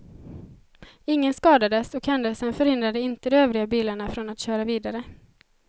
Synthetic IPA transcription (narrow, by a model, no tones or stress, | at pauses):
ɪŋːənskɑːd̪ad̪əsɔkhɛnd̪əlsənfœɾhɪnd̪ɾad̪əɪnt̪əd̪ɔmøːvɾɪɡabiːlaɳafɾɔnat̪ɕøːɾaviːd̪aɾə